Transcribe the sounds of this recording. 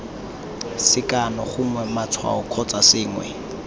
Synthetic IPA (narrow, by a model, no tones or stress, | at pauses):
sɪkʼanɔχʊmwɛmat͡sʰwa̰ɔkʰɔt͡sʼasɪːŋwɛ̰